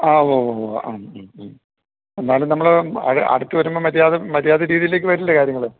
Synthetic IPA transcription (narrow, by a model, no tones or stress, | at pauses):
aːʋooa̰ːmm | e̞nːaːjlumnɐmːɐɭɐ̰ɽɐ̰ɽut̪ːɨʋɐɾumbomɐɾjaːðemɐɾjaːðeɾiːðijileːk̬ːɨʋɐɾulːɐkaːɾjɐŋːɐɭɨ